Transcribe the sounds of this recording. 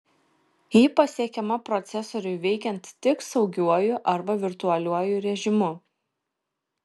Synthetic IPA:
jiːpɐsʲiɛkʲɛmɐpɾɔt̪sʲɛsɔɾʲʊɪʋʲɛɪkʲɛnt̪ːʲɪksɒʊɡʲuɔjʊʔɐɾbɐʋʲɪɾt̪ʊɐlʲuɔjʊɾʲɛʒʲɪmʊ

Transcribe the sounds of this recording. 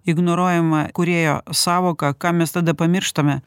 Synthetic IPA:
ɪɡnoːɾoːjɛmɐkʊɾʲeːjo̰ːsɑːʋoːkɑkɑːmʲɛst̪ɐd̪ɐpɐmʲɪɾʃt̪ɐmʲɛ

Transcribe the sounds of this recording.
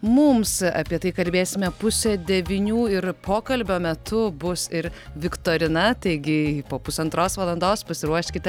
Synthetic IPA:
mʊmsɐ̰pʲiɛt̪ɐɪkɐlʲbʲeːsʲɪmʲɛpʊsʲod̪ʲɛʋʲinʲuːɪɾpʰoːkɐlʲbʲoːmʲɛt̪ʊbʊsɪɾʋʲɪkt̪oːɾʲɪnɐt̪ɐɪɡʲɪpoːpʊsɐnt̪ɾoːsʋɐlˠɐnd̪oːspɐsʲɪɾuɔʃʲkʲɪt̪ʲ

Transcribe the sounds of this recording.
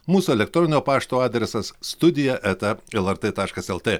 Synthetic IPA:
muːsuɛlʲɛkt̪ɾɔnʲoːpɑːʃt̪oːɑːd̪ʲɾʲɛsɐsːt̪ʊd̪ʲɪjɛʔɛt̪ɐɛlˠɛɾt̪et̪ɑːʃkɐsɛlˠt̪ʲeː

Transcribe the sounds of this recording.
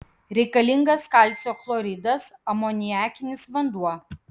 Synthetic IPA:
ɾʲɛɪkɐlʲɪŋɡɐskɐˑlʲˑtsʲoːflˠɔɾʲɪd̪ɐsɐmoːnʲɪjæːkʲɪnʲɪsʋɐnd̪uɔ

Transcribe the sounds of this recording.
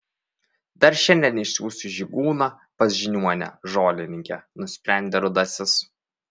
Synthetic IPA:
d̪̥ɐɾʃʲɛnʲd̪ʲɛnɪʃʲsʲuːsʲuʒʲiɡuːnɑ | pɐsʲʒʲɪnʲuɔnʲɛ̰ʒoːlʲɪnʲɪŋʲkʲɛnʊsʲpʲɾʲæˑnʲd̪ʲeɾʊd̪ɐsʲɪs

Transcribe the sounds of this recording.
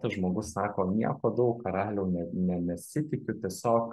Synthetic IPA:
t̪ɐʒmoːɡʊssɑːkoːnʲiɛkoːd̪ɐʊkkɐɾɑːlʲɛʊnʲɛnʲɛnʲɛsʲɪt̪ʲɪkʲʊt̪ʲiɛsʲoːk

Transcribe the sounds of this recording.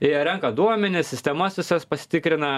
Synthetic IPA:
ɪɾʲɛŋkɐd̪uɔmʲɛnʲɪssʲɪsʲt̪ʲɛmɐsʋʲɪsɐspɐsʲɪ̥t̪ʲɪkɾʲɪnɐ

